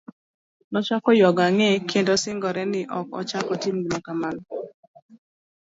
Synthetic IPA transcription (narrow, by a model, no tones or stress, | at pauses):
nɔt͡ʃakɔjɔɡaŋekʰendɔsɪŋɡɔɾɛnɪʔɔkɔ̰t͡ʃakɔtimɡimokaman